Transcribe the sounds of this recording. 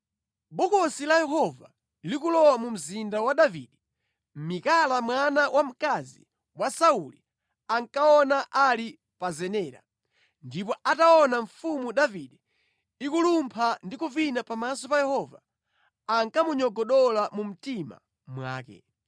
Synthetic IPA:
ɓɔkɔsilajɛɦɔva̰ | likulɔwamum̩zindawaɗavḭɗɛ | m̩mikalamwanawʔam̩kazḭ | wasauli | aŋkaɔnaʔali | pazɛnɛːɾa̰ | ndipɔataɔnaɱfumuɗaviɗɛ | ikulumpʰandikuvinapamasɔpajɛhɔva̰ː | ŋkamuɲɔɡɔɗɔlamum̩tima̰ | mwa̰ːkɛ̰

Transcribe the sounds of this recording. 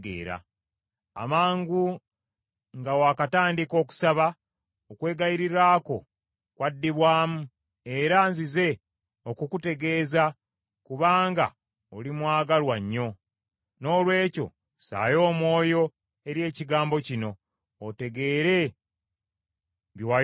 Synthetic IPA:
ɡḛːɾa̰ː | maːŋɡu | ŋɡawaːkataːndiko̞ːku̥saβa | okwe̞ːɡajiɾiɾaːko̞ | kwadːiβwaːmu | e̞ɾanzize̞ | okukute̞ɡe̞ːza | kuβaːŋɡa̰ | olimwaːɡalwaɲːo̞ | no̞ːlwe̞ːco̞̰ | sa̰ːjo̞ːmwo̞ːjo̞ | e̞ɾje̞ːciɡaːmbo̞cino̞ː | te̞ɡe̞ːɾe̞ | βjwa

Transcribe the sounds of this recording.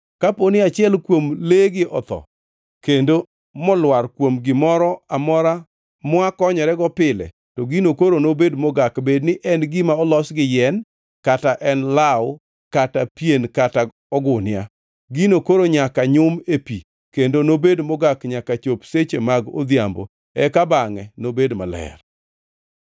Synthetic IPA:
kaponɪat͡ʃɪɛlkwomleɡɪʔɔ̰t̪ɔ̰ | kendo | mɔlwaɾkwomɡɪmɔɾɔamɔɾa | mwakɔɲɔɾɛɡɔpɪlɛ̰ | tɔɡinokoɾonobedmɔɡakbednɪʔɛnɡɪmaɔlɔsɡɪjɛn | kataʔɛnlawʊ | katapjenkata | ɔɡʊnɪja̰ | ɡinokoɾoɲakaɲʊmepi | kendonobedmɔɡakɲakat͡ʃopset͡ʃemaɡo̰d̪jambo̰ | ɛkabaŋɛnobedma̰lɛ̰r

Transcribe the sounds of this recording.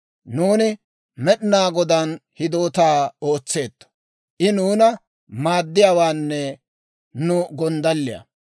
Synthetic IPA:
nuːnɪ | mɛɗɪnaːɡɔd̪ɐnhɪd̪o̞ːt̪aːoːt͡sːe̞ːt̪ːɐ̥ | ʔɪnuːnɐ | maːd̪ːɪjaːwaːnːɛ | nʊɡɔnd̪ɐlːɪjɐ̰

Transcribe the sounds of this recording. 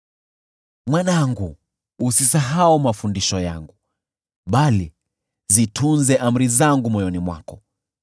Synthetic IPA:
mwanaŋɡuː | sisaɦaumafundiʃɔja̰ŋɡu | ɓali | zitʰunzɛʔam̩ɾizaŋɡumɔjɔnimwa̰kɔ

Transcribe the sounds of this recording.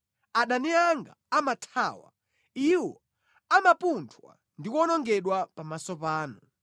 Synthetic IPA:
aɗaniaŋɡa̰ːmatʰaːwa̰ | iwɔ | amapuntʰwa̰ | ndikɔnɔŋɡɛɗwapamasɔpaːnu

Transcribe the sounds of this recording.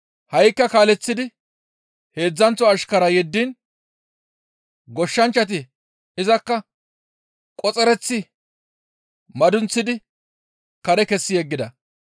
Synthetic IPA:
hɐjkːɐkaːlɛt͡sːɪd̪ɪ | he̞ːd͡zːɐnt͡sːɔɐʃkɐɾɐjɛd̪ːin | ɡɔʃːɐnt͡ʃːɐt̪̬ɪ | ɪzɐkːɐ | kʼɔt͡sʼɛɾɛt͡sːɪ | mɐd̪ʊnt͡sːɪd̪ɪ | kɐɾɛkɛsːɪjɛɡːɪd̪ɐ

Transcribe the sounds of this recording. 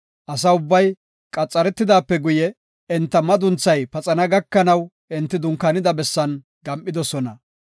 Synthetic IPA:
ʔɐsɐʊbːɐj | kʼɐt͡sʼːɐɾɛt̪ːɪd̪aːpːɛɡʊjɛ | ɛnt̪ːɐmɐd̪ʊnt͡sːɐjpɐt͡sʼɐnɐɡɐkːɐnɐw | ʔɪnt̪ːɪd̪ʊŋkːɐnɪd̪ɐbɛsːɐn | ɡɐmʔʼɪd̪ɔsɔnɐ

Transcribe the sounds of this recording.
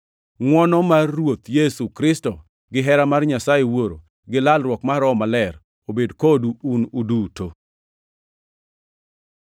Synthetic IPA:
ŋwɔnɔmarːwot̪jesukɾɪstɔ | ɡɪɦɛɾamarɲasajewoɾo | ɡɪlalɾwɔkmaɾɔmalɛɾ | obedkoduːnuduto

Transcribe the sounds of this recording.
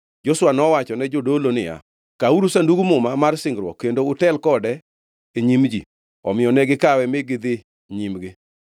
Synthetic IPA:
d͡ʒoswanɔwat͡ʃɔnɛd͡ʒodolonɪja̰ | kauɾusanduɡumʊmamarsɪŋɡɾwɔ̰kːendoʊtɛlkɔdɛ | eɲimd͡ʒḭ | ɔ̰mɪɔnɛɡɪkawɛmɪɡɪd̪ɪ | ɲimɡɪ

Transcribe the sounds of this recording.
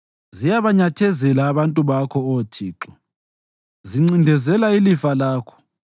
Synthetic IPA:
zijaβaɲatʰɛzɛlaːβantʼuβakʰɔotʰiːǁɔ | ziŋ͡ǀindʱɛzɛlailifalaːkʰɔ̥

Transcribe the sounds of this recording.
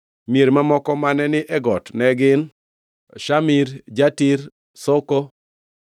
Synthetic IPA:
meɾmamɔkɔmanɛnɪʔɛɡɔtnɛɡɪn | ʃamiɾd͡ʒatiɾ | sɔkɔ

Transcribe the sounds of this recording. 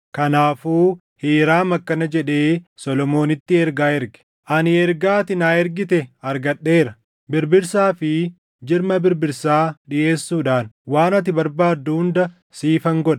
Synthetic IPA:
kɐnaːfuː | hiːɾaːmɐkːɐnɐd͡ʒɛᶑe̞ːsɔlɔmo̞ːnɪt̪ːɪɛɾɡaːɛɾɡɛ̥ | ʔɐnɪɛɾɡaːt̪ɪnaːɛɾɡɪt̪ɛɐɾɡɐɗːe̞ːɾɐ | bɪɾbɪɾsaːfɪ | d͡ʒɪɾmɐbɪɾbɪɾsaːɗɪʔe̞ːsːuːᶑaːnwaːnɐt̪ɪbɐɾbaːd̪ːuhʊnd̪ɐ | siːfɐŋɡɔᶑɐ̥

